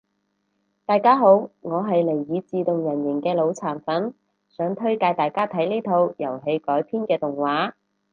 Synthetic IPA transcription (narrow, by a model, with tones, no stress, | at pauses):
t̪aː˨˧jkaː˥ɦo˨˥wŋɔː˨˧ɦɐ˨jle˨˩jːiː˨˧t͡siː˨˧t̪ʊ˨ŋjɐ˨˩njɪ˨˩ŋkɛː˧lo˨˧wt͡sʰaː˨˩nfɐ˨˥n | sœː˨˥ŋt̪ʰɵ˥ɥkaː˧jt̪aː˨jkaː˥t̪ʰɐ˨˥jliː˥t̪ʰo˧wjɐ˨˩wɦe˨˧jkɔː˨˥jpʰiː˥nkɛː˧t̪ʊ˨˩ŋwaː˨˥